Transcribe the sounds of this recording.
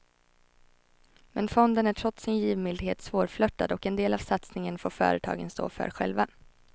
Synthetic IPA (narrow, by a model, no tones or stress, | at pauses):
mɛnfɔnd̪ənæʈʰɾɔt̪sɪnjiːvmɪld̪heːt̪svoːɾflœt̪ːad̪ɔkɛnd̪eːlavsat̪snɪŋənfoːɾfœ̰ːɾət̪ʰɑ̰ːɡə̰nst̪o̰ːfœ̰ːɾɧɛ̰lva